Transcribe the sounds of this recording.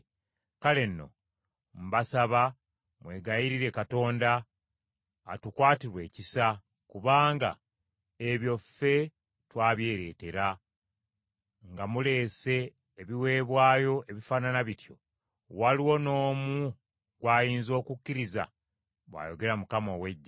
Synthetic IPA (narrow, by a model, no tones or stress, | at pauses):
kale̞nːo̞̰ | m̩basaβa | mwe̞ːɡajiɾiɾe̞kato̞ːnda | tukwaːtiɾwe̞ːcisa | kuβaːŋɡa̰ | eβjo̞fe̞ | twaːβje̞ːɾe̞ːte̞ɾa | ŋɡamule̞ːse̞ː | βiwe̞ːβwaːjo̞ʔe̞βifaːnanaβitjo̞̰ | waliwo̞no̞ːmu | ɡwaːjiːnzo̞ːkukːiɾiza̰ | βwa̰ːjo̞ɡe̞ɾamukamo̞we̞ɟːa